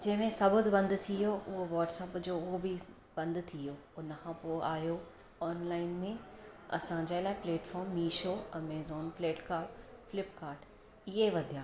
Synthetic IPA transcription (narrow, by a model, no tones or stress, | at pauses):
d͡ʑɐ̃ɦɪ̃mẽsɐbʊd̪bɐ̃nd̪t̪ʰijoʔʊɦoʋɔːʈsɛːpd͡ʑoːʊɦobi | bɐ̃nd̪t̪ʰijoː | ʊnəkʰãːpoːaːjo | ɔːnlaːɪnmẽɐ̰sãd͡ʑaːɪlaːɪpleːʈfɔːɾmːiːʃoɐ̃meːzoːnfleːʈkaːfɪlɪpkaːɾʈ | ɪɦeʋɐd̪ʱijaː